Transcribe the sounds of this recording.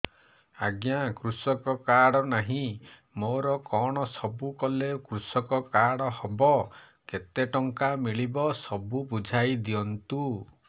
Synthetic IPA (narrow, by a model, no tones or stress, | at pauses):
aɡjakɾusɔkɔkaɽɔnaɦĩ | moɾɔkɔɽ̃ɔsɔbukɔlekɾusɔkɔkaɽɔhɔbɔ | ket̪eʈɔŋkamiɭibɔsɔbubud͡ʒʱajd̪iɔnt̪u